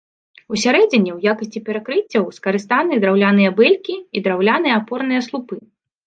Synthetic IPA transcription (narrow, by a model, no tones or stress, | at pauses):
usʲaɾɛd͡zʲinʲːɛwjakɐsʲt͡sʲipʲɛɾakɾɨt͡sʲːɐwskɐɾɨst̪anɨd̪ɾawlʲanɨjɐbɛlʲkʲiid̪ɾawlʲanɨjɐːpɔrnɨjɐslˠupɨ